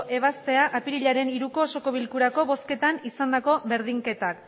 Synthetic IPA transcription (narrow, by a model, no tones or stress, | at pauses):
ʔe̞β̞ast̪e̞aʔapiɾiʎaɾe̞niɾuko̞ːso̞ko̞β̞ilkuɾako̞βo̞ske̞t̪anisand̪ako̞βe̞ɾðiŋke̞t̪ak